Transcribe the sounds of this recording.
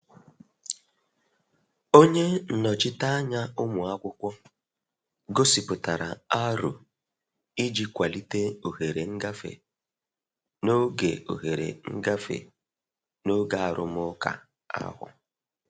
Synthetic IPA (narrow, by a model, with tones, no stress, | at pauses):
o˦ɲe˦n̩˨nɔ˨t͡ʃɪ˦ta˦a˦ɲa˦ʊ˦mʊ˨a˦kʷʊ˦kʷɔ˦ | ɡo˦si˨pʊ˨ta˨ɾa̰˨a˦ɾʊ̰˨ | i˦d͡ʒi˦kʷa˨li˦te˦o˨ɦe˨ɾe˨ŋ̩˦ɡa˦fḛ˨ | no˦ɡe˨o̰˨ɦe˨ɾḛ˨ŋ̩˦ɡa˦fḛ˨ | no˦ɡa˦a˨ɾʊ̰˦m˦ʊ˦ka̰˨ | a̰˦ɦʊ̰˨